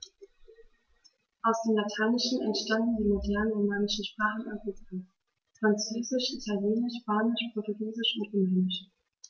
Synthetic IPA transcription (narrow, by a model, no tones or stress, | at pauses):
ʔaʊsd̥eːmlatʰaɪnɪʃn̩ɛntʃtandn̩diːmodɛɐnənʁomaːnɪʃn̩ʃpʁ̥aːχn̩a̰mʁika | fʁ̥ant͡søːzɪʃitʰaljeːnɪʃpaːnɪʃpʰʁ̥ɔɐtʊɡiːzɪʃʊntʁʊmɛːnɪʃ